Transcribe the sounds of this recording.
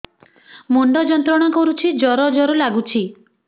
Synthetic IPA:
mɔɳɖɔd͡ʒɔnt̪ɾɔɽ̃ɔkɔɾut͡ʃʰid͡ʒɔɾɔd͡ʒɔɾɔlaɡut͡ʃʰi

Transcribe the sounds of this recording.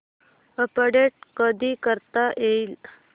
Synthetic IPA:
əpəɽeʈ̚kəd̪ʱiːkəɾt̪aʔeil

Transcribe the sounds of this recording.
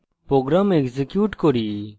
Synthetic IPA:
pɾoːɡɾaːmekzekjuːʈkoɾi

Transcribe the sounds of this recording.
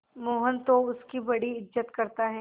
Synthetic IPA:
moːɦənt̪oʊskibɐɽiɪd͡ʒət̪kɐɾt̪aɦɛː

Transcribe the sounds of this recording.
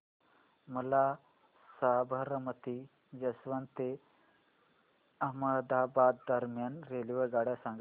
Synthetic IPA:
mɐla | saːbʱɐɾɐmɐt̪i | d͡ʒɐsʋant̪e | ɐɦməd̪aːbaːd̪ːɐɾmjanɾeːliʋəɡaːɽjasãŋɡ

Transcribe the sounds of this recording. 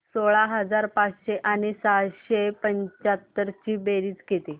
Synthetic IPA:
soɭaɦəd͡zaɾpat͡sɕeʔanisaɕepəɲt͡ɕat̪ːəɾt͡ɕiːbeɾiːd͡zket̪e

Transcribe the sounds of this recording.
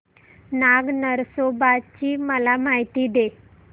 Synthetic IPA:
naɡnəɾsobat͡ɕiːməlamaɦit̪iːd̪e

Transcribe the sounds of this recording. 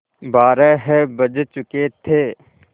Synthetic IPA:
baːɾɛɦɛbəd͡ʒt͡ʃʊket̪ʰeː

